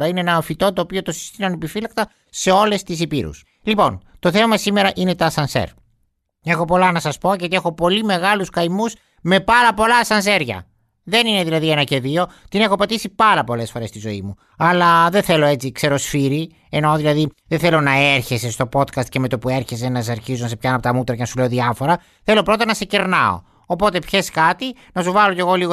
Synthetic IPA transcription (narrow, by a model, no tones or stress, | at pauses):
ɾɐineenɐfit̪o̞t̪oːpio̞t̪osi̥st̪inonepifilɐk̚t̪ɐ | se̞o̞le̞st̪is̬ipiɾṵs | lipo̞nt̪o̞θe̞mɐmɐsime̞ɾɐʔine̞t̪ɐsɐnsḛɾ | e̞xo̞po̞lɐnɐsɐspo̞ʝot̪ie̞xo̞po̞lime̞ɣɐluskɐjmus | me̞pɐɾɐpo̞lɐsɐnse̞ɾʝɐ̰ | ðe̞nine̞ðilɐðienɐce̞ðio̞t̪ine̞xopɐt̪isipɐɾɐpo̞le̞sfo̞ɾe̞st̪izo̞imu | ɐlɐðeθe̞lo̞e̞t͡sikse̞ɾo̞sfiɾi | eno̞ðilɐðiðeθe̞lonɐeɾçe̞se̞st̪o̞po̞t̪kɐst̪̚ceme̞t̪opue̞ɾçe̞senɐsɐɾçizonɐsepçɐnɐpot̪ɐmut̪ɾɐcenɐsule̞o̞ðiɐfo̞ɾɐ | θe̞lo̞pɾo̞t̪ɐnɐse̞ceɾnɐo̰ː | po̞t̪e̞pçe̞skɐt̪i | nɐsuvɐlo̞ce̞ɣo̞liɣo